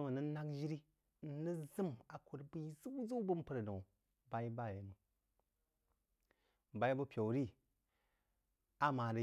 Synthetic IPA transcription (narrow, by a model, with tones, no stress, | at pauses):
mə˨nə˦na˦kd͡ʒi˦ɾi˦ | n̩˨˦nə˦zɨ˦ma˨ko˨ɾbɨ˦zu˦zu˦bɨ˦m˦pə˦ɾno˨w | ba˨i˦ba˦˨je˨mu˨ | ba˦i˦bu˦pʲo˨wɾi˦ | a˦ma˨ɾə˨